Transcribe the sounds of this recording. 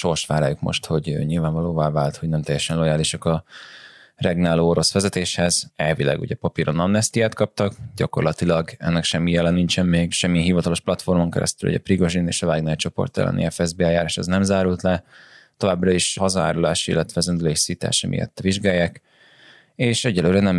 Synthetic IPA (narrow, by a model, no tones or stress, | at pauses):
ʃo̞rʃʋaːɾaːjukmo̞̰ʃt̪ho̞ɟø̰ːɲilvaːɱvɒloːvaːvaːlt̪ho̞ɟnɛmt̪ɛjːɛʃɛnlo̞jaːliʃɒkɒ | rɛɡnaːloːoɾo̞sʋɛzɛt̪eːʃhɛzɛlvilɛ̰ɡṵɟɛpɒpiːɾo̞nɒmnɛst̪ijaːt̪kɒp̚t̪ɒkɟɒko̞̰rlɒt̪ilɒɡɛ̰nːɛkʃɛmːijɛlɛniɲt͡ʃɛmːeːɡʃɛmːiɛɦivɒt̪ɒlo̞ʃplɒt̪fo̞rmoŋkɛ̰ɾɛ̰st̪ylṵɟɛ̰priɡo̞ʒinḛːʃɒvaːɡnɛːt͡ʃo̞po̰rt̪ɛ̰lʔɛ̰nḭɛfɛzbeːɛljaːɾaːʃɒznɛmzaːɾult̪lɛt̪o̞vaːbrɒiʃhɒzɒa̰ːɾulaːʃḭlːɛt̪ʋɛzɛnd̪yleːʃsit̪a̰ːʃɛmʔḭjɛ̰t̪ːviʒɡaːjːaːk | eːʃɛɟːɛlːøːɾɛnɛm